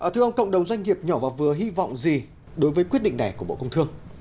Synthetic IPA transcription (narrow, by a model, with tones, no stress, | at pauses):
ʔəː˨˩t̪ʰɨ˧əʔə˧wŋ͡mkə̰˧˨wŋ͡mɗə˨˩wŋ͡mzwa˧ŋ̟ŋi˨˩əp̚ɲɔ˧˩vaː˨˩vɨ˨˩əɦi˧vɔ̰˧˨wŋ͡mzi˨˩ | ɗo˨˦jvəː˨˦jkwi˦˥t̚ɗḭ˧˨ŋna˨˩jku˧˩ɓ̰kə˧ŋ͡mt̪ʰɨ˧əŋ